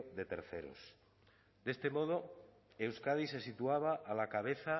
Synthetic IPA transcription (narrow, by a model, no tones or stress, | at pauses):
d̪e̞t̪eɾθe̞̰ɾo̰s | d̪e̞st̪e̞mo̞ð̞o | ewskað̞ise̞sit̪uaβ̞aʔːlakaβ̞e̞θa